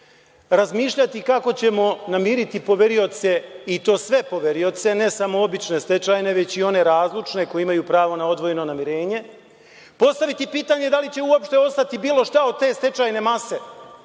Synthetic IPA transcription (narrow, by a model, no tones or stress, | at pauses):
ɾazmiːʃʎat̪ikako̞t͡ɕe̞mo̞namiːɾit̪ipoʋeɾio̞t̪se̞it̪o̞ːsʋe̞po̞ʋeɾio̞t̪se̞ne̞samo̞obit͡ʃne̞st̪e̞t͡ʃajne̞ʋe̞t͡ɕio̞ne̞ɾaːzlˠut͡ʃne̞ko̞jeimajuːpɾaːʋo̞nao̞d̪ʋo̞jeno̞namiɾe̞ːɲe̞ | po̞st̪aʋit̪ipiːt̪aːɲe̞d̪alit͡ɕe̞uopʃt̪e̞o̞st̪at̪ibiːlo̞ʃt̪ao̞d̪̚t̪e̞ːst̪e̞t͡ʃaːjne̞mase̞